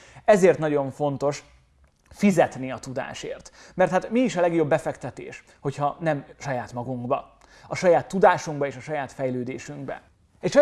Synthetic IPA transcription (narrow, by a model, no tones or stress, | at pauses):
ɛzeːrt̪nɒɟo̞ɱfo̞nt̪o̞ʃ | fizɛt̪niɒt̪ud̪a̰ːʃḛːrt̪mɛrt̪haːt̪miːʃɒlɛɡjo̞bːɛfɛkt̪ɛt̪ḛːʃ | ho̞chɒnɛmʃɒjaːt̪mɒɡuŋɡbɒ̰ | ɒʃɒjaːt̪ːud̪aːʃuŋɡbɒeːʃɒʃɒjaːt̪fɛjløːd̪eːʃyŋɡbɛ̰ | ɛcʃ